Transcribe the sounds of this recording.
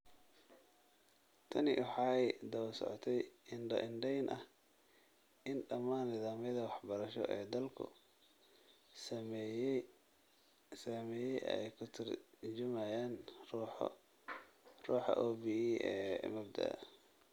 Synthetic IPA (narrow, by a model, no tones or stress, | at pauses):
t̪ʰɐnɪ̰wɑħɑːjd̪ɐwlsɔ̰ʕɔt̪ʰɛjɪnɖɐ̰ʔɪnɖɛjnʔɐh | ʔɪnɖɐmaːnɪðaːmjɐðɐwɑħbɐɾɐʃɔ̰ʔɛːd̪ɐlkʰʊ̰ | s | sɐmɛːjɛjʔɛjkʰʊt̪ʰɪrt͡ʃɪmajaːn̰ | ruːħɑ̰ʔɔːbiiːʔɛ̰ːmɐbd̪ɐ̰ɐ̰